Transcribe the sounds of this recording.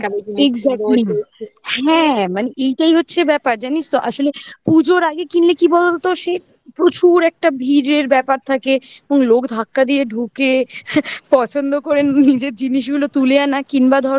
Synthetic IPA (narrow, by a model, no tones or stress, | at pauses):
kaeɡzak | hɛ̃maneʔejʈaiɦotːɕʰebɛpaɾd͡ʑanist̪oʔaʃolepud͡ʑoɾaɡekinlekibɔd̪olt̪oʃe | pɾot͡ɕuɾɛk̚ʈabʱiɾeɾbɛpaɾt̪ʰakeeboŋlokd̪ʱakːad̪ieɖʱuke | pɔt͡ɕʰond̪okoɾenːid͡ʑeɾd͡ʑiniʃ̬ɡulot̪ulejanakinbad̪ʱɔɾ